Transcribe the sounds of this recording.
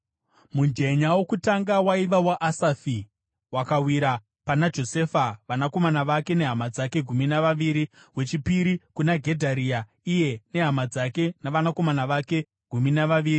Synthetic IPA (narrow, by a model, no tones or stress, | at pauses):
mund͡ʒe̞ɲawo̞kutaŋɡawaiʋawaʔasafi | wakawiɾa | panad͡ʒo̞se̞faʋanako̞manaʋake̞ne̞ɦamad͡zake̞ɡʱuminaʋaʋiːɾi | we̞t͡ʃipiɾikunaɡʱe̞dʱaɾiːa | ije̞ne̞ɦamad͡zake̞naʋanako̞manaʋake̞ | ɡ̥ʱuminaʋaʋiːɾi